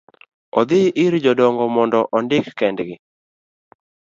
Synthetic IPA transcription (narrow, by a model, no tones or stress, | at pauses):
ɔd̪ɪʔɪɾd͡ʒɔdɔŋɡɔmɔndɔʔɔndɪkːɛndɡɪ